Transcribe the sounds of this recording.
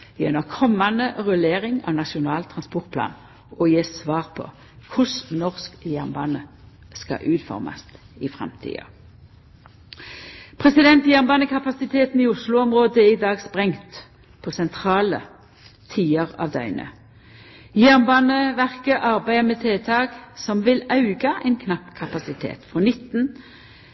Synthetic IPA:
jɛnəʁkʰɔmːɑnəʁʉleːʁɪŋɑ̰ʋnɑʃʊnɑːlt̪ʰɾʁɑnspɔʁt̪̚pʰlɑ̰ːn | ɔjeːsʋɑːʁpʰɔ̰ | kʰʊsnɔʁskjæʁnbɑ̰ːnə | skɑ̰ʔʉːt̪fɔ̰ʁmɑ̰st̪ | ɪfʁɛ̰mt̪ʰḭːɑ̰ | pʰʁɛsɪd̪ɛnt̪jæʁnbɑːnəkʰɑpɑsɪt̪ʰeːt̪n̩iːʊslʊɔmʁoːd̪əæʁɪd̪ɑːɡspʁɛŋt̪ | pʰɔsɛnt̪ʰʁɑːlə | t̪ʰiːəʁɑ̰ːʋd̪œ̰ʏnə̰ | jæʁnbɑːnəʋæʁkəʔɑʁbæɪəmeːt̪ʰeːt̪ʰɑːɡsɔmʋɪlɑʉɡɑʔɛɪnkʰnɑpːkʰɑpɑsɪt̪ʰḛːt̪fɔnɪt̪ːn

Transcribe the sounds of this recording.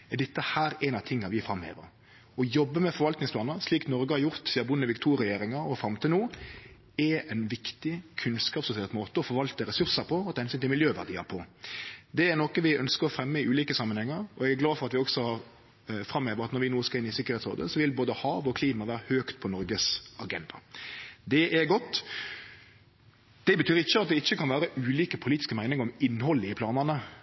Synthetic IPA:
ɛd̪ɛt̪ːəhæːɾɛnɑʋt̪ʰɪŋːɑʋɪfɾɑmhḛːʋə̰ɾ | ɔjɔbːəmɛfɔɾʋɑlt̪nɪŋsplɑːnəsliːknɔɾɡəhɑɾjʊɾt̪siːɑbʊnːəʋɪkt̪ʰuːɾɛjeːɾɪŋɑɾɔfɾɑmt̪ʰiːd̪nuː | ɛɛnʋɪkt̪ɪkʰʉnskɑːpsʊsɪɛlt̪moːt̪əɔfɔɾʋɑlt̪əɾɛsʉɾsəɾpʰɔɔt̪ʰːhɛnsyːnt̪ɪmɪljøːʋæ̰ʁd̪ḭːə̰pʰɔ | d̪ɛːɾnɔkəʋɪœnskəɾɔfɾɛmːəɪʉːliːkəsɑmːənhɛŋːəɾɔɛɡæɡlɑːfɔɾɑt̪ʋɪɔksɔhɑɾ | fɾʁɑmːøːʋəɾɑt̪nɔɾʋɪnuːskɑɾɪnːɪsɪkəɾeːt̪so̰ːd̪ə̰sɔʋɪlboːd̪əhɑːʋɔkʰliːmɑʋæːɾəhøːkt̪̚pʰɔnɔɾɡəsɑɡɛnd̪ɑ̰d̪ɛʔɛɾɡɔt̪ː | d̪̥ɛbət̪ʰyːɾɪçːəɑt̪̚d̪ɛɪçːəkɑnʋæːɾəʔʉːliːkəpʰʊliːt̪ɪ̥skəmæɪnɪŋəɾɔmɪnːhɔlːəɪpʰlɑːnənə

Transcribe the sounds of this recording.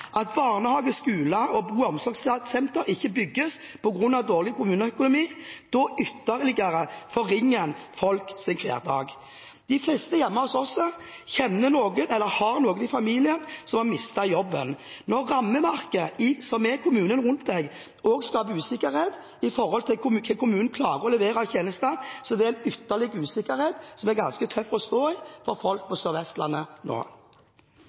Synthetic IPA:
ʔɑt̪bɑːʁnəhɑːɡəskʉːləɔbuːɔmsɔɾɡssɛnt̪əɾɪçːəbʏɡːəs | pʰɔɡɾʉnːɑʋd̪oːʁlɪkʊmʉːnəœkʊnʊmiːd̪̥ɔʔʏt̪ːəɾlɪɡəɾəfɔɾɪŋːənfɔlksɪnkʰlæ̰ːʁd̪ɑ̰ːɡ | d̪ɪflɛst̪əjɛmːəɔsɔsːɔ | çɛnːənoːɡənɛlːəhɑʁnoːɡənɪfɑmiːlɪənsɔmhɑmɪst̪ɑjɔbːən | nɔɾːɑmːəmɑʁkəɪsɔmɛkʰʊmʉːnənʁʊnt̪̚d̪ɛɡ | ɔːɡskɑːpəʉːsɪkːəɾheːd̪ | ɪfɔɾhɔlt̪ʰɪlkʰʊmkʰəlkʰʊmʉːnn̩kʰlɑːʁəɔlɛʋeːɾɑçeːnəst̪əsɔd̪ɛææɪnʏt̪ːəlɪɡʉːsɪkːəɾheːd̪sɔmæɾɡɑnskət̪ʰœfːɔst̪oːɪfɔɾfɔlk̚pʰɔsœːɾʋɛst̪lɑnːəno̰ː

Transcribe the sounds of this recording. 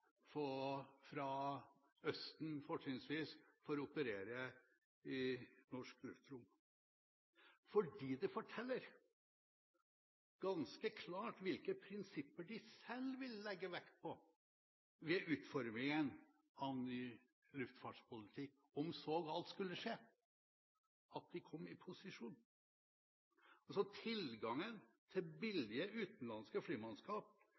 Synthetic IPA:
fɔfɾɑ | œst̪n̩fɔʈɪnsʋiːsfɔɾɔʊpəɾeːɾə | ɪnɔʂklʉft̪ɾʊm | fɔɖiːd̪ɛfɔʈʰɛlːəɾ | ɡ̥ɑnskəkʰlɑːʈʋɪlkəpʰɾɪnsɪpːəɖɪsɛlʋɪlːɛɡːəʋɛkt̪̚pʰɔ | ʋɛʔʉːt̪fɔɾmɪŋən | ɑʋnyː | lʉft̪fɑɖʂpʰʊlɪt̪ʰɪkː | ɔmsoːɡɑlt̪skʉlːəʂeː | ɑt̪̚d̪ɪkʰɔmːɪpʰʊsɪʂuːn | ɔsɔt̪ʰɪlɡɑŋənt̪ʰɪlbɪlɪəʉːt̪n̩lɑnskəfliːmɑnskɑːp̚

